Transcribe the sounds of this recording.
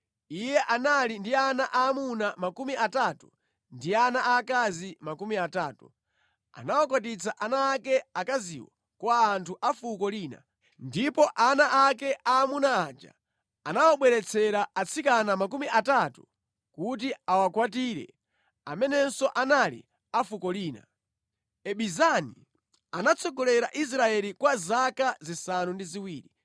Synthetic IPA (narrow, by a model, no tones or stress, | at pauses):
ijɛʔanalindianaʔaːmunamakumiʔatatu | ndianaʔakazimakumiataːtu | a̰nawak̬watit͡sʰaʔanaːkɛakazḭwɔ | kwaːntʰuʔafukɔliːna̰ | ndipɔʔanaʔakɛʔaːmunaːd͡ʒa̰ | anawaɓwɛɾɛt͡sʰɛɾaat͡sʰikanamak̬umiʔatatu | kut̬iawakwat̬iːɾɛ̰ | a̰mɛnɛnsɔʔanalḭ | afukɔliːna̰ | ɛɓizani | anat͡sʰɔɡɔlɛɾaʔis̬ɾaɛɾikwazakazisanundiziwiːɾi